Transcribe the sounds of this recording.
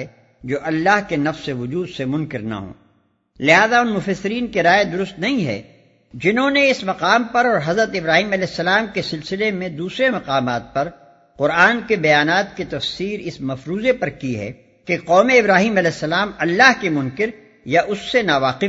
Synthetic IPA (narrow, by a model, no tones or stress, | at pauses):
ɛ | d͡ʒoːʔɐlːaːɦkenɐfseʋʊd͡ʒuːd̪semʊ̃nkɪɾna̰ɦõ̰ː | lɪɦaːzaʊnmʊfɐsːɪɾiːnkeɾaːjed̪ʊɾʊst̪nɐɦĩɦɛ̰ | d͡ʒɪnɦõneɪsmɐqaːmpɐɾɔːɾɦɐzɾət̪ɪbɾaːɦiːmɐlɛːsːɐlaːmkesɪlsɪlemẽd̪uːsɾemɐqaːmaːt̪̚pɐɾ | qʊɾaːnkebɐjaːnaːt̪ket̪ɐfsiːɾɪsmɐfɾuːzepɐɾkiɦɛ̰ | keqɔːmeɪbɾaːɦiːmɐlɛːsːɐlaːmɐlːaːɦkemʊ̃nkɪɾ | jaʔʊsːenaːʋaːqɪ